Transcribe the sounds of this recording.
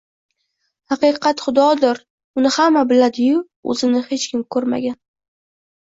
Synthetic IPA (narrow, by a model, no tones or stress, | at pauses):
hɑqɨqʰɑt̪χʊd̪ɒd̪ɪɾ | ʊnɪhamːabɪlad̪ɪjʊ | ɵ̰zɪnɪhe̞t͡ʃkʲʰɪmkʰɵɾma̰ɡʲan